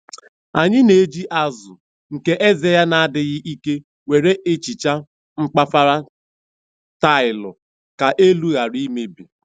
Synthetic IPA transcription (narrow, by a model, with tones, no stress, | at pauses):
a˨ɲɪ˦ne˨˦d͡ʒi˦ʔa˦zʊ˨ | ŋ̩˨ke˦ʔe˦ze˨ja˦na˨a˦dɪ˨ɣɪ˦ʔi˦ke˦ | we˨ɾe˦ʔe˦t͡ʃi˨t͡ʃa˦ | ŋ͡m̩˦k͡pa˦fa˦ɾa˦ | ta˦ɪ˨lʊ̰˨ | ka˨ʔe˦lu˦ɣa˨ɾi˦me˦bi˨